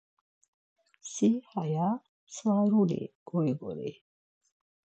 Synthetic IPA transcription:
sihaja | saːɾulḭɡ̥ɔjɡɔ̰ɾḭ

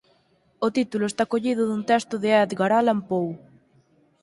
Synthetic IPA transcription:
ot̪it̪ulʊest̪akoʎiðʊðunt̪ɛst̪ʊðɪɛd̪ɡaɾalampow

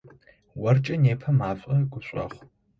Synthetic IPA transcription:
wɐrt͡ʃʼɐneːpʰɐmaːfʼɐɡʷʼʊɕʷʼɐ̰χʷ

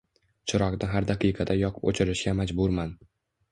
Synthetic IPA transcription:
t͡ʃʰɪɾɒqd̪ɪɦaɾd̪aqʰɨjqʰɑd̪ajɒqʰʊ̥po̰t͡ʃʰɪɾɪʃɡʲamad͡ʒbʊɾman

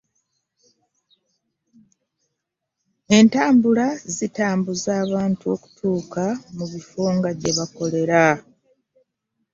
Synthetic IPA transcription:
e̞ntaːmbulazitaːmbuzaːβaːntuo̞ku̥tʰuːkamuβifoːŋɡaɟe̞βako̞le̞ɾa

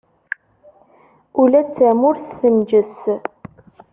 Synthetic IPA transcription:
ulæt͡sʰːæmʊɾθːəmd͡ʒəs

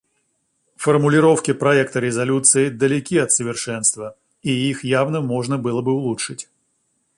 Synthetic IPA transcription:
fərmʊlʲɪɾo̞fkʲɪpɾɐɛkt̪əɾʲɪzɐlʲut̪sɨɪd̪əlʲɪkʲiɐt̪səvʲɪrʂɛnst̪və | iixjavnəmo̞ʐnəbɨlˠəbɨʊlˠutʂɨtʲ

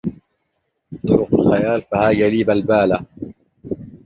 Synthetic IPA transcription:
t̪ˤʊɾʊqalxajaːlfahaːjaliːbalbaːla

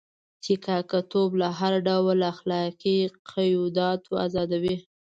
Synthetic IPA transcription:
tikakat̪oblaɦaɾɖawlaxlɑqiqʰajud̪ɑt̪ʰoa̰zɑd̪awi

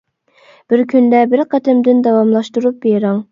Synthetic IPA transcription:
b̥ɪɾkʲʰynd̪ɛbɪɾqʰɑt̪ʰɪmd̪ɪnd̪ɑwɑmlˠɑʃt̪uɾup̚beɾɑŋ

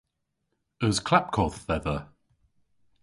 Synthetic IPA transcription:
əzkʰl̥ap̚kʰɔˑθːɛðə

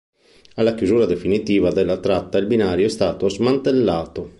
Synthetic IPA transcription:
alːakjuzuːɾad̪efinit̪iːvad̪ɛlːat̪ɾat̪ːailbinaːɾjoɛst̪aːt̪ozmant̪elːaːt̪o

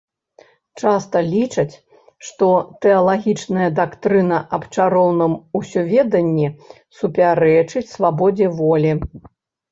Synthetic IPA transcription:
t͡ʂast̪ɐlʲit͡ʂɐt͡sʲ | ʂt̪ɔt̪ɛɐlˠaɣʲit͡ʂnɐjɐd̪akt̪ɾɨnɐʔɐpt͡ʂaɾɔwnɨmusʲɔvʲɛd̪ɐnʲːɛ | supʲaɾɛt͡ʂɨt͡sʲsvabɔd͡zʲɛvɔlʲi

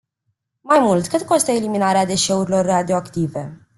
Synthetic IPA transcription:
majmult̪kɨt̪ko̞st̪əeliminaɾead̪e̞ʃe̞uɾilo̞rːad̪io̞akt̪ive̞

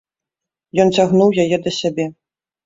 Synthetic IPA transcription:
jɔnt͡sʲaɣnuwjajɛd̪ɐsʲabʲɛ

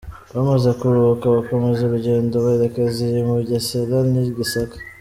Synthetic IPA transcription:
βamazekuɾuβkaβako̞mezuɾuɟe̞ːndoβaeɾekaziɾimuɟaseɾaniɡisakḁ

